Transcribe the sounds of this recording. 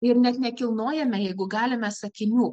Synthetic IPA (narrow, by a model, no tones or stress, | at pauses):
ɪɾnʲɛt̪nʲɛkʲɪlˠnoːjɛmʲɛjɛɪɡʊɡɑːlʲɪmʲɛsɐkʲɪnʲuː